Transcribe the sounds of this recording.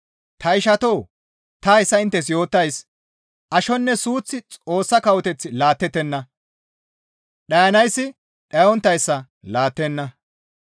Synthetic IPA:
t̪ɐɪʃɐt̪oː | t̪ɐɛsːɐɪnt̪ːɛs̬jo̞ːt̪ːɐjs | ʔɐʃɔnːɛsuːt͡sːɪt͡sʼo̞ːsːɐkɐwɔt̪ɛt͡sːɪlaːt̪ːɛt̪ːɛnːɐ | ɗɐjɐnɐjsːɪ | ɗɐjɔnt̪ːɐjsːɐ | laːt̪ːɛnːɐ

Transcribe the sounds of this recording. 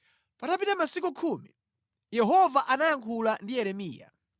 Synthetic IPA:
patapitamasikukʰuːmḭ | jɛɦɔvaʔanajaŋkʰulandijɛɾɛmḭːja̰

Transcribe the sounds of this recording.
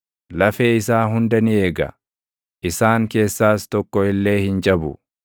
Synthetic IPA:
lɐfeːɪsaːɦʊnd̪ɐnɪe̞ːɡɐ̰ | ʔɪsaːŋke̞ːsːaːst̪ɔkːɔɪlːe̞ːhɪnd͡ʒɐbʊ̰

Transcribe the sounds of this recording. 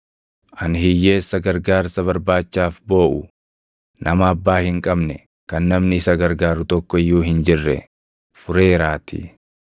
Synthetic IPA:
ʔɐnhɪjːe̞ːsːɐɡɐɾɡaːɾsɐβɐɾbaːt͡ʃːaːfbo̞ːʔʊ | nʔɐmɐːbːaːhɪŋkʼɐbnɛ | kɐnːɐmnɪɪsɐɡɐɾɡaːɾʊt̪ɔkːɔɪjːuːɦɪnd͡ʒɪrːɛ̰ | fʊɾe̞ːɾaːt̪ḭ

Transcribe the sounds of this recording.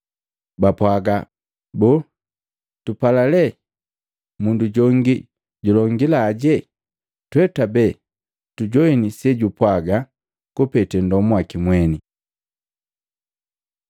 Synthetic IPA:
bapwaɡa | bɔː | tupalalɛ | munduɟɔŋɡi | ɟulɔŋɡilaːɟɛ | twɛtabɛ | tuɟɔinisɛɟupwaɡa | kupɛtɛndɔmuakimwɛni

